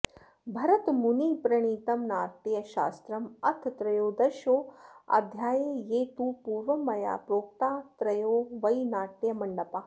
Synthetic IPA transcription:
bʱɐɾɐt̪muniːpɾɐɳ̃iːt̪ɐmnaːɾt̪jɐʃa̰ːst̪ɾɐmɐ̰t̪ʰt̪ɾɐjoːd̪ɐʃoːɐ̰d̪ʱjaːjejeːt̪uːpuːɾʋɐmɐja̰ːpɾoːk̚t̪aːt̪ɾɐjoːʋɐjnaːʈ̪ːjɐmɐɳɖɐpaː

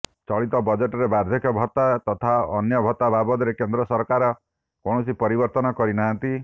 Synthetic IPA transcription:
t͡ʃɔɭit̪ɔbɔd͡ʒeʈɔɾebaɾd̪ʱjekʰɔbʱɔt̪at̪ɔt̪ʰaɔnjɔbʱɔt̪abʱabɔd̪ɔɾekend̪ɾɔsɔɾkaɾɔ | kɔɳ̃ɔsipɔɾibɔɾt̪ɔnɔkɔɾinaɦant̪i

